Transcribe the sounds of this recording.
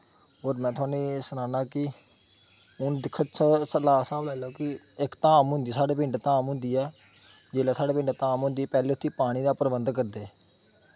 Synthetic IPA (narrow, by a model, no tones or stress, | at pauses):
ɦoːɾmɛ̃ːt̪ʰʊaːneːsənãːnaːkɪ | ʊnd̪ɪkʰːət̪ssəlaːsãːblɛːloːkɪ | ɪkt̪aːmɦʊ̃nd̪iːsaːɽeːpɪ̃ɳɖt̪aːmɦʊ̃nd̪iːɛː | d͡ʒeːlɛːsaːɖeːpɪ̃ɳɖt̪ãːmɦʊ̃nd̪iːpɛːleːʊt̪ʰːiːpaːɽ̃iːd̪aːpəɾəbənd̪kəɾd̪eː